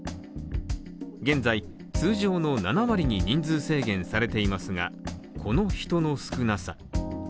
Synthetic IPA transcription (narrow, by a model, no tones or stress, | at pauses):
ɡẽ̞nd͡zai | t͡sɨːʑo̞ːno̞nanaβaɾʲiɲ̟iɲʲĩnd͡zɨːse̞ːɡẽ̞ɰ̃saɾe̞t̪e̞imasɨŋa̰ | kʰo̞no̞çi̥t̪o̞no̞sɨ̥kɯnasa̰